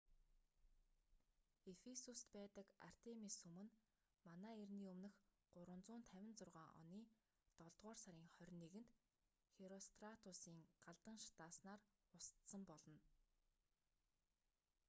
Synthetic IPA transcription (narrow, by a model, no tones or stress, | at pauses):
efesust̪pæːt̪ə̆ka̰r̥t̪ʰemisumɘ̆n | manaːerniːɵmnɘ̆x | ɢ̥ʊɾwə̆nt͡sʊːnt̪ʰæwʲɪ̆nt͡sʊrʁaːʔɔ̰niː | t̪ɔɮt̪ʁɔːrsaɾʲiːŋχœrʲniːɣɘ̆nt̪ | xeɾɔst̪rat̪ʰʊsiːŋɢ̥aɮt̪ə̆ŋʃḁt̪aːsnaːrʊst̪sə̆mpɔɮɞ̆n